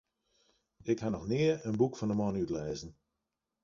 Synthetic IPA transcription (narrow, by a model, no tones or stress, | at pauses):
ɪkhanɔxnɪəɹənbukfɔndəmɔnytlɛːzən̩